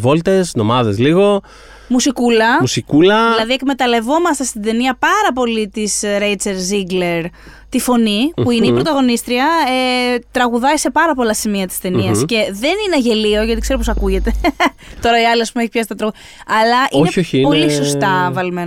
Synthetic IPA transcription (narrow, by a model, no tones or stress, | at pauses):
vo̞lt̪e̞sno̞mɐðezliɣo̞ | musikulɐmusikulɐðilɐðiekme̞t̪ɐle̞vo̞mɐst̪est̪id̪e̞niɐpɐɾɐpo̞lit̪isɾejt͡seɾziɡle̞ɾ | t̪ifo̞nipuineipɾot̪ɐɣo̞nist̪ɾiɐet̪ɾɐɣuðɐise̞pɐɾɐpo̞lɐsimiɐt̪i̥st̪e̞niɐsce̞ðe̞ninɐʝe̞lio̞ʝɐt̪ikse̞ɾoposɐkuʝe̞t̪e̞ | t̪o̞ɾɐiɐliɐspumeeçipçɐsit̪ɐt̪ɾɐɣu | ɐlɐʔineçoçpolisost̪ɐvɐlmen